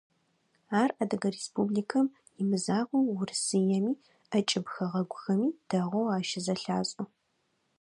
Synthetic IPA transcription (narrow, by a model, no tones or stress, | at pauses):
aːrʔɐdɐɡɐreːspublikʰɐm | imɨzaːʁʷɐwwʊrsɨjɛmiː | ʔɐt͡ʃʼɪbxɐʁɐɡʷʊxɐmiːd̥ɐʁʷɔwaːʃɪzɐɬaːɕʼʊ